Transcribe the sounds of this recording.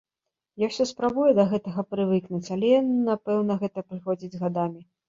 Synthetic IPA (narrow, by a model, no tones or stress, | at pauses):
jawsʲɔspɾabujɛd̪ɐɣɛt̪ɐɣɐpɾɨvɨknut͡sʲalʲɛjnnːapɛwnɐɣɛt̪ɐpɾɨxɔd͡zʲid͡zʲzɣad̪amʲi